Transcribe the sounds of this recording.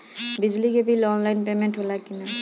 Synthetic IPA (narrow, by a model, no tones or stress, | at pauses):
bizliɡebilɔnlajnpemenʈɦolakina